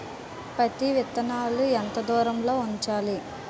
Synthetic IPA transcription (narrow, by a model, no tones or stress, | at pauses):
pɾɐt̪iʋit̪ɐnaːluɛnt̪ɐd̪uːɾɐmlo̞ːuɲt͡ʃaːli